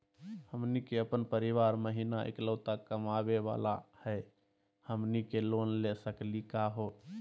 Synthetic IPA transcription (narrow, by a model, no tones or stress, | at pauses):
həmnikeəpənpəɾiʋaɾməɦinaḛkləʊt̪akəmabeʋa̰la̰hɛ | həmnikelonlesəklikaɦo